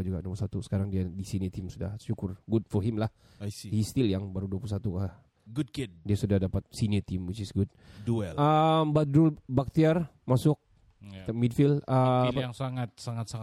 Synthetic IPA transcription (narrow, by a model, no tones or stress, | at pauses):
d͡ʒuɡaduapusat̪usə̥kaɾaŋdiadisinit̪ɪmsuda̰hʃukʊrɡʊd̚foɦɪmlah | hist̪ɪljaŋbaɾuduapuusat̪ukah | ɡudkid̚diasudahdapat̪̚sinit̪ɪmut͡ʃɪsɡʊd̚ | duɛləmbadɾulbak̚t̪iar | masʊk̚ | t̪amidfɪləaŋsaŋat̪̚saŋat̪̚saŋ